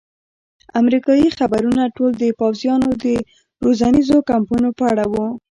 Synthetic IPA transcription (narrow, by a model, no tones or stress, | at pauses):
a̰mɾikɑjixabaɾunaʈold̪əpɑwzjɑnod̪ə | ɾozanizokampunopəaɽawu